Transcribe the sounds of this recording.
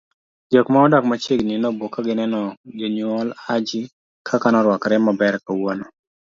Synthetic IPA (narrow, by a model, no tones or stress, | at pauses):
d͡ʒɔkmaɔdɔkmat͡ʃɪɡnɪnɔbokːaɡɪnɛnɔd͡ʒɔɲɔlad͡ʒɪ | kʰakanɔɾwɔkɾɛmabɛɾkawonɔ